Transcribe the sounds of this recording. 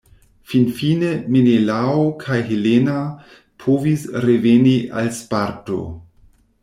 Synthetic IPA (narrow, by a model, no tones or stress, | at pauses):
finfinemenelaokʰajɦelena | pʰovisɾeveniʔa̰lspaɾto̰